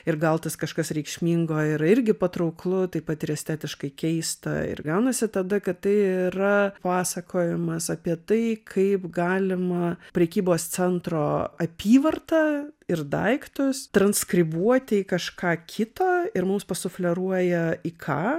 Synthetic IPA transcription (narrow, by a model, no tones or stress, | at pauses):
ɪɾɡɐlˠt̪ɐskɐʃkɐsɾʲɛɪkʃʲmʲiːŋɡoːɪɾɐɪɾʲɡʲɪpɐt̪ɾɐʊklˠʊt̪ɐɪpɐt̪ɪɾʲɛsʲt̪ʲæːt̪ʲɪʃkɐɪkʲɛɪst̪ɐ̰ɪ̰rɡɐʊnɐsʲɪt̪ɐd̪ɐkɐt̪t̪ɐɪɪɪɾɐpɑːsɐkʰoːjɪmɐsɐpʲiɛt̪ɐɪkʰɐɪpɡɑːlʲɪmɐpʲɾʲɛkʲiːboːst͡sʲɛnt̪ɾoːʔɐpʲiːʋɐrt̪ɐɪrd̪ɐɪkt̪ʊst̪ɾɐnskɾʲɪbuɔt̪ʲɪːkɐʃkɑːkʲʰɪt̪oːɪɾmʊmspɐsʊfʲlʲɛɾuɔjɛikʰɑː